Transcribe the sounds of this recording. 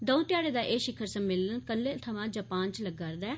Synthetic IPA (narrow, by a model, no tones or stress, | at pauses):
d̪ɔ̃ũt̪ɪjaːɽeːd̪aːʔeːʃɪkʰːəɾsəmːeːlənkəlːeːt̪ʰəʋãːd͡ʒəpaːnt͡ʃləɡaːɾd̪ɛː